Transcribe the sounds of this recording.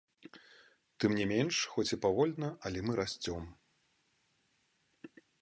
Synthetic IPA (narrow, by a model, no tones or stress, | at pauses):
t̪ɨmnʲɛmʲenʂxɔt͡sʲipavɔlʲnɐʔɐlʲɛmɨɾasʲt͡sʲɔm